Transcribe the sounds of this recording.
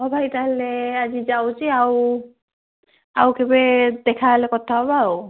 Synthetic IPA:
hɔbʱajtaɦelead͡ʒid͡ʒawt͡ʃʰiaw | a̰wkebed̪ɛkʰalekɔt̪ʰaɔbaw

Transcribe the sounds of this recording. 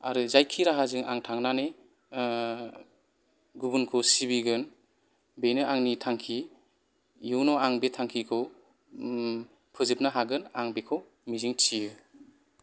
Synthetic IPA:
a̰ɾɯzajkʰiɾaɦazɯŋa̰ŋtʰaŋnane | ɡubunkʰɯsibiɡɯn | benɯaŋnitʰaŋkʰi | juwnɔaŋbetʰaŋkʰikʰɯw | pʰɯzip̚naɦaɡɯnaŋbekʰɯw | miziŋtʰiɯ

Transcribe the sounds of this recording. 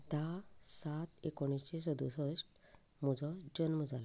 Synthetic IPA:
t̪asat̪ekɔɽ̃ist͡ɕes̬ɔd̪usɔsʈ | mud͡zɔd͡ʑɔnmud͡zala

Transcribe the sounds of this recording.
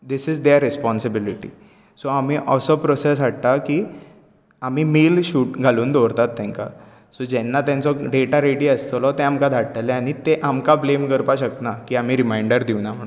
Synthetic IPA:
d̪isid͡zd̪eɾːɛspɔnsibiliʈḭ | soamiːʔəsɔpɾɔses̬ʋaʈ̚t̪akiː | amiːmeːlɕuːʈɡʱaluːnd̪ʱɔɾt̪at̪ːɛ̃ŋka̰ | sod͡ʑɛnːat̪jãnt͡sɔɖeʈaɾeɽiəst̪lɔt̪eamkad̪ʱaɽʈəlɛaɽ̃it̪eʔamkablemkəɾpaɕəknakiːam̤iːɾimajɳɖəɾd̪iʋnam̤əɳu

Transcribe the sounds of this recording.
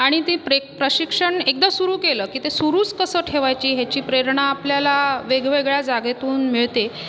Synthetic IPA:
aɽ̃it̪ipɾepɾəɕikʂəɳek̚d̪asuɾuːkeləːkiːt̪esuɾuːt͡skəsəːʈʰeʋajt͡ɕiːɦat͡ɕiːpɾeɾɳaːpljalaʋeɡʋeɡɭjad͡zaɡet̪uːnmiɭt̪e

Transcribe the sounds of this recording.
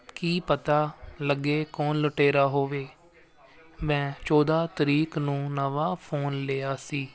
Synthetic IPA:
kiːpət̪aːləɡeːkɔːnləʈeːɾaːɦoːʋeː | mɛ̃ːt͡ʃɔːd̪aːt̪əɾiːknũːnəʋaːpʰoːnleːaːsiː

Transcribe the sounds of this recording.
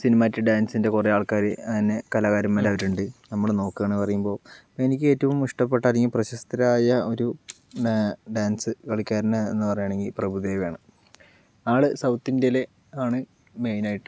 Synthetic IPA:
sinimaːtːɨɖaːnsinde̞kureaːɭkaːɾɨɐðinːe̞kɐlaːɣaːɾɐmːelaʋɐɾuɳɖɨnɐmːɐɭno̞ːkːaːɳpɐrɐjumbo̞ː | enikʲːɨe̞ːtːɐʋumːuʂʈɐpːe̞ʈːɐliŋɡɐprɐɕɐst̪ɐɾaːjɐo̞ɾu | ɖaːnsɨkɐɭikʲːaːɾnːɐḛnːɨpɐrɐjaːɳe̞ŋɡilprɐbʱuðeːʋijaːɳɨ | aːɭɨsɐwt̪ːindele̞ | aːɳɨ | me̞jnaːjiʈːɨ

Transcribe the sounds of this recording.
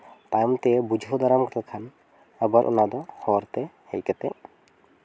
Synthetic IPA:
t̪ajmt̪ebud͡ʒʱod̪aɾamkɔt̪ekʰan | əbəɾʔṵnad̪ɔhɔɾt̪ehɛjkət̪ɛ

